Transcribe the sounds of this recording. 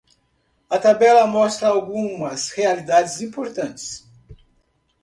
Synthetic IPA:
ɐt̪abɛlɐmɔst̪ɾɐawɡũmɐshealid̪ad͡ʒɪzĩpoɾt̪ɐ̃nt͡ʃɪ̥s

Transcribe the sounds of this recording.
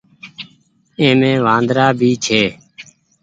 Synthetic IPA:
ẽːmẽːʋãːnd̪ɾaːbʱiːt͡ʃʰeː

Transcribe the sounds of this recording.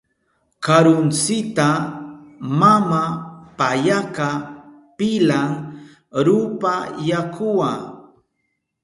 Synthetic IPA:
kaɾʊnt͡sɪt̪a | mamapajaka | pɪlaŋ | ɾʊpajakʊwaː

